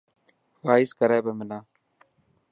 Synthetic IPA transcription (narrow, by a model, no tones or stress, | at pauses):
ʋaːɪskəɾeːbeːmɪlãː